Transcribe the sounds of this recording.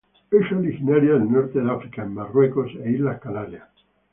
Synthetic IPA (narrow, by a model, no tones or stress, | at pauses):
eʃoɾixinaɾjaðelnoɾt̪eðeafɾikaemːarwekoseilahkalalja